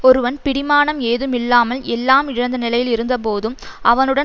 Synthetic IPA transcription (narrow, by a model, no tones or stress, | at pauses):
ɔɾɯʋɐnpɪɽɪmaːnɐmeːðɯmɪlːaːmɐlɛlːaːmɪɻɐnd̪ɐnɪlɐjɪlɪɾɯnd̪ɐpoːðɯmʔɐʋɐnɯɽɐ